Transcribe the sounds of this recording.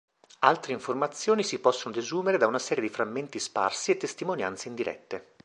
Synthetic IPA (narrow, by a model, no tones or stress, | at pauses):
alt̪ɾeiɱformat̪sːjoːnisipɔsːonod̪ezuːmeɾed̪aunasɛːɾjed̪ifɾamːent̪ispa̰rsiet̪ːest̪imonja̰nt̪seind̪iɾʔɛ̰t̪ːe